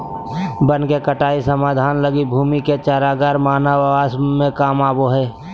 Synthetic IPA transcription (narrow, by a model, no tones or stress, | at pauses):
bənkekəʈaːisəmaːd̪ʱaːnləɡibʱuːmiket͡ʃaːɾaːɡaːɾmaːnaʋaːsmẽkaːmaːboɦɛː